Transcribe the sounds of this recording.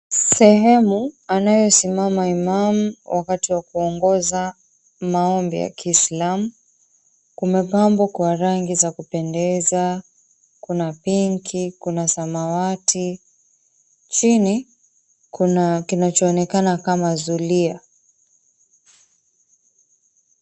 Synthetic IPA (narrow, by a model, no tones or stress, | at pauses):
sɛɦɛmuanajɔsimamaimamuwʔakatiwakuɔŋɡɔza | maɔmbḭja̰kiːslamu | kumɛpambɔkwaɾaŋɡizakupɛndɛza | kunapiŋkʰikunasamawatʰi | t͡ʃini | kunakinat͡ʃɔːnɛkanakamazulia